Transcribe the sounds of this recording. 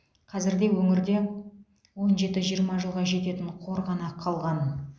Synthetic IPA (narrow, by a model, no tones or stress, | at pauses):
qʰɑzɪɾd̪e̞wɵŋɪɾd̪e̞ | wo̞nʒe̞t̪ɪʒijəɾmɑʒəlˠʁɑʒe̞t̪e̞t̪ɪɴqʰo̞ɾʁɑnɑqʰɑlˠʁɑn